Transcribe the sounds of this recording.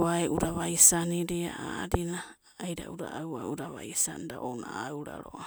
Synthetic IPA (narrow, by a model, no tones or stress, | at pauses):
aeʔuɾaβajsaniɾeaadinaː | jɾauɾaʔawauɾaβaisandaʔonaawɾaɾoa